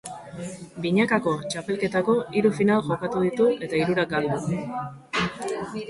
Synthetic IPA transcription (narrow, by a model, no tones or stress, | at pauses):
biɲakako̞t͡ʃape̞lke̞t̪ako̞iɾufinalʝo̞kat̪uðit̪uʔe̞t̪aiɾuɾakald̪u